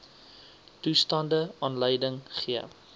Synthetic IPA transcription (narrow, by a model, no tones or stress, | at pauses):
tustɑndəɑːnləjdəŋχiə